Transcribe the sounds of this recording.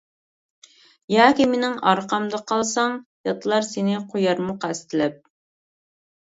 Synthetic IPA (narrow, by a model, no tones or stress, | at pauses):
jɑːkʲimenɪŋɑɾqʰɑmd̪ɑqʰɑlˠsɑŋjɑt̪ʰlˠɑɾsenɪqʰojɑɾmʊqæst̪ʰɪlɛp̚